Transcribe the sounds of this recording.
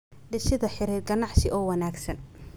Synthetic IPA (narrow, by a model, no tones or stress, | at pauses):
ɖɪʃɪðɐħɪɾiːrɡɐnɑʕsɪʔɔːwɐnaːɡsɐn